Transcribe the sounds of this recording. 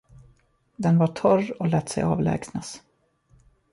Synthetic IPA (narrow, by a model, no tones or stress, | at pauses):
d̪ɛnvaʈʰœrɔlɛːt̪sɛ̰jɑ̰ːvlɛ̰ːɡsnas